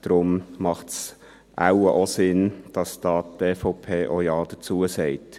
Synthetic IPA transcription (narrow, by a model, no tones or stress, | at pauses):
d̪̥ɾʊmmɑχts | ʔa̰ʊəʔosɪnd̥ɑsd̥̪ɑːtteːfaʊpʰeːʔojɑːd̥̪ət͡suəsɛɪt